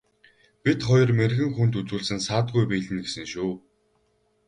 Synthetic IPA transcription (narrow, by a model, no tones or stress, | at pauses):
pʲit̪χɔjɞ̆rmerɣɘ̆ŋxunt̪ut͡suːɮsɘ̆nsaːt̪ɡujpiːɮɘ̆nɡesɘ̆ŋʃuː